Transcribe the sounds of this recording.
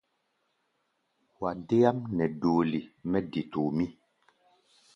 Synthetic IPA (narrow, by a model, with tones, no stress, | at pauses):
wa˨de˦ja˦mnɛ˨doː˨li˨mɛ˦di˨to˨mi˦